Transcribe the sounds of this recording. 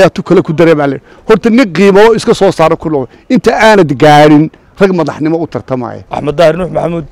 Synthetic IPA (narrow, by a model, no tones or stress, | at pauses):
jaːt̪ʰʊkʰɐlɛkʰʊd̪ɐɾɛːβaːlɛɽ | hɔrt̪ʰɐnɪŋqiːmɐɔɪskʰɐsɔːsaːɾɛkʰʊlʊʕʊ | ɪnt̪ʰɐʔaːnɐd̪ɡaːɽɪn | r̥ɐɡmɐðɑħnɪmɔʊt̪ʰɐrt̪ʰɐma̰ːjɛ̰ʔɐ̰ħmɐd̪aːhɪrnuːħmɐħamuːd̪̚